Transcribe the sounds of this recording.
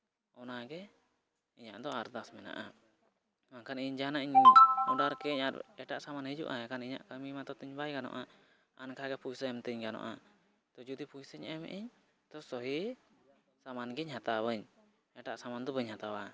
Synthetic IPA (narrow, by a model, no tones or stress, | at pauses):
ɔnaɡɛ | iɲaʔd̪ɔaɾd̪asmɛna̰ʔa | makʰaniɲd͡ʒanaʔiɲuɖaɾkɛɲaɾɛʈaʔsamanhəd͡ʒṵʔa̰ɛkaniɲa̰ʔkəmimat̪ɔt̪əɲbajɡanɔ̰ʔa | ankʰaɡɛpujsəɛmt̪əɲɡanɔ̰ʔa̰ | t̪ɔd͡ʒud̪ipʰujsəɲɛmɛ̰ʔiɲ | t̪ɔsɔɦi | samanɡɛɲɦat̪aβəɲ | ɛʈaʔsamand̪ɔbəɲhat̪awa